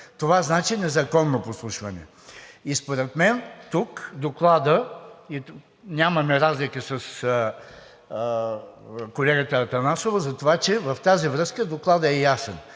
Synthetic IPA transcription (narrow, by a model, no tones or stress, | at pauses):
t̪ovaznat͡ʃinɛzɐkɔnːoposlˠuʃvɐnɛ̰ | ispoɾɛt̪mɛnt̪ukd̪oklˠad̪əi | nʲamɐmɛɾazlikəsɐs | kolɛɡət̪əːt̪ɐnasovɐzɐt̪ovat͡ʃɛvɐft̪azivɾɤskəd̪oklˠad̪əɛjasɛn